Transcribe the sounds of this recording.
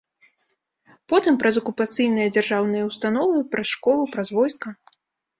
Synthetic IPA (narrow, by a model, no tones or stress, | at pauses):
pɔt̪ɨmpɾɐzɐkupat̪sɨjnɨjɐd͡zʲarʐawnɨjɐwst̪anɔvɨpɾɐsʂkɔlˠupɾɐzvɔjskɐ